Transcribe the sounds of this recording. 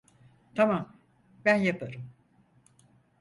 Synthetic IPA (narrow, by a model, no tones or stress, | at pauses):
t̪ʰamam | bænjapʰaɾɯm